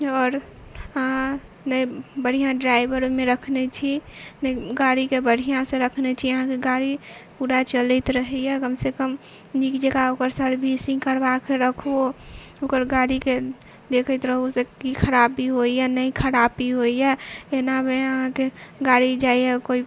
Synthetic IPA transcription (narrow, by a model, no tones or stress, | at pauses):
ɔːɾ | ɦã | nəibəɽ̤ijãɖɾaibəɾmẽɾəkʰnet͡ʃʰinəiɡaɽikebəɽ̤ʱijãsẽɾəkʰnet͡ʃʰiəɦãkeɡaɽipuɽat͡ʃələɪt̪ɾəɦɛjɛkəmsekəm | nikd͡ʒəɡaokəɾsəɾbʱisĩŋkəɾbakeɾəkʰo | okəɾɡaɽike | d̪ekʰət̪ɾəɦosekikʰəɾabiɦoijanəikʰəɾabiɦojaenameəɦãkeɡaɽid͡ʒaijɛkoi